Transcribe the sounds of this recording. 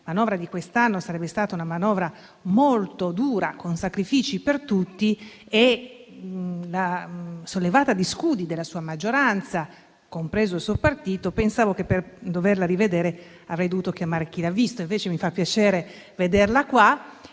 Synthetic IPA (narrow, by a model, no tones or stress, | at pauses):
manɔvɾad̪ikwest̪anːosaɾɛbːest̪aːt̪aunamanɔːvɾa | molt̪od̪uːɾakonsakɾifiːt͡ʃipert̪ut̪ːi | e | lasolːevaːt̪ad̪iskuːd̪id̪elːasuːamad͡ʒːoɾant̪sa | kompɾeːzoilsuopart̪iːt̪opensaːvokepːerd̪overlaɾived̪eːɾe | avɾɛjd̪ovuːt̪ok̟jamaːɾek̟ilavːist̪oiɱveːt͡ʃemifapːjat͡ʃɛːɾe | ved̪erlakwa